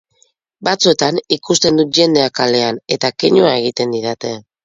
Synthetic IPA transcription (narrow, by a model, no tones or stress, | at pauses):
bat͡sue̞t̪anikust̪e̞nd̪ut̪̚ʝe̞nd̪e̞akale̞ane̞t̪akeɲoae̞ɣ̞it̪e̞nd̪iðat̪e̞